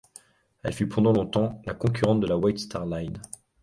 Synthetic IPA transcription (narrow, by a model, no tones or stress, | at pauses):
ɛ̰lfypɑ̃d̪ɑ̃lɔ̃t̪ɑ̃lakɔ̃k̬ʰʲyʁɑ̃t̪̚d̪əlawɛt̪st̪aʁlajn